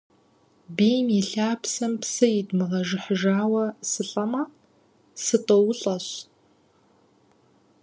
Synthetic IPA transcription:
biːjmɛɬaːpsɐmpsɐjɪdmɨʁɐʒɪħəʒaːwɐsɨɬʼɐmɐ | sɨtʼowʊɬʼɐɕ

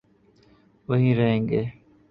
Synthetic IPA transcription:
ʋəɦĩːɾəɦẽːŋɡeː

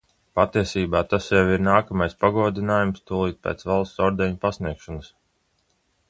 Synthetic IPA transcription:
pat̪iɛsiːbaːt̪asjɛwiɾnaːkamajspaɡuɔd̪inaːjumst̪uɔlˠiːt̪̚pʲɛ̰ːt̪svalˠsɔɾd̪ɛɲpasniɛkʃɔnɨs

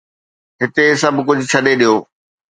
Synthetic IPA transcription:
ɦɪt̪esɐbʱkʊd͡ʑʱʊt͡ɕʰɐɗeɗijoː

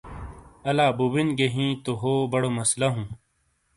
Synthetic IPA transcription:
ɐlaːbubinɡeɦĩːt̪oɦoːbɐɽomɐslɐɦũː

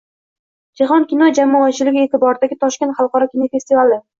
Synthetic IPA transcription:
d͡ʒaɦɒnkʲinɒd͡ʒamɒat͡ʃʰɪlɪɡʲɪe̞t̪ʰɪbɒɾd̪aɡʲɪt̪ʰɒʃkʲe̞nt̪χɑlˠqɒɾɒkʲinɔfe̞st̪ivalɪ

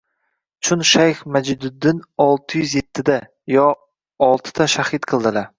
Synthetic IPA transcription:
t͡ʃʰʊnʃajχmad͡ʒɪd̪ʊd̪ːɪnɒlˠt̪ʰɪjʏzje̞t̪ʰːɪd̪a | jɒ | ɒlˠt̪ʰɪ̥d̪aʃahɪt̪qʰɨlˠd̪ɪlaɾ

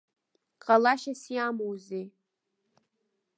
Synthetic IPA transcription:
qʼalaʃasiamowze

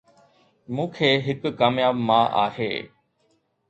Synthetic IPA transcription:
mũːkʰeːɦɪkːaːmjaːbmãːʔa̰ːhḛː

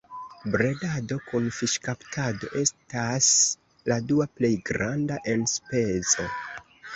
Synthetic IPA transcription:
bɾe̞dado̞kunfiʃkaptʰado̞̰ʔe̞stas | laduaple̞jɡɾandaʔe̞nspe̞zo̞

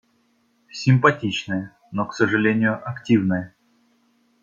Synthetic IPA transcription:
sʲɪmpɐtʲit͡ɕnəjə | noksəʐɨlʲenʲɪjʊʔɐktʲivnəjə

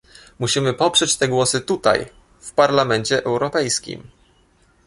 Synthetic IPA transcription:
muɕimɘpɔpʂɛt͡ɕt̪ɛɡwɔsɘt̪ut̪a̰j | fpaɾlamɛɲt͡ɕɛʔɛwɾɔpɛjskʲḭm

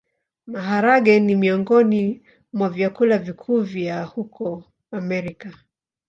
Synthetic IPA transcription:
maɦaɾaɠɛnimiɔŋɡɔni | mwavjakulavikʰuvjahukʰɔ | amɛɾika

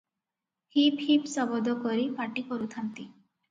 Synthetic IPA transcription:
hiphipsɔbɔd̪ɔkɔɾipaʈikɔɾut̪ʰant̪i

